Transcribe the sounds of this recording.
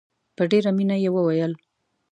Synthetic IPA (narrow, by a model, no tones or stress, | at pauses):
pəɖeɾaminajewəwajəl